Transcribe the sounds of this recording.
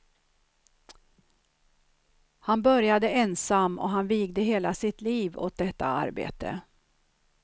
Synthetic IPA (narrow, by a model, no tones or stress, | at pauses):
hanbœɾjad̪əɛnsamːɔ̰ɦanviːɡd̪əɦeːlasɪt̪liːvo̰ːt̪̚d̪ɛt̪ːaa̰ɾbḛːt̪ʰə̰